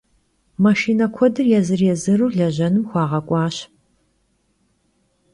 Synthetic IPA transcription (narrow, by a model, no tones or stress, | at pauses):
mɐʃiːnɐkʷʰɔdɨrjɛzɨrjɛzɨruːɮɐʑɐnɨmxʷɑːʁɐkʷʼɑːɕ